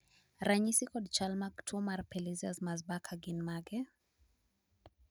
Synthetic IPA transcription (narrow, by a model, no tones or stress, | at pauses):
ɾaɲisikɔdt͡ʃalmaktʰumaɾpɛliziazmazbakʰaɡinmaɡɛ